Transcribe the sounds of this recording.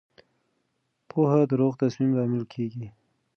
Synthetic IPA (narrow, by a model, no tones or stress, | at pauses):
pʰohad̪əɾoɣt̪asmimlɑmɪlkʰeɡi